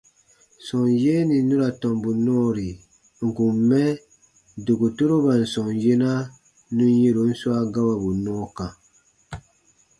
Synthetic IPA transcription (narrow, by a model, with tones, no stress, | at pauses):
sɔ̃˨nje˦nĩ˨nũ˦ɾa˨tɔ̃˨mbu˨nɔ̃˦ɾi˨ | ŋ̩˨kũ˨mmːɛ˦ | du˨ɡu˨to˦ɾo˦ba˨n̩˨sɔ̃˨nje˦na˦ | nũ˦n˦je˦ɾo˨˦n̩˦su˦a˦ɡa˦wa˨bu˨nɔ̃ː˦kã˨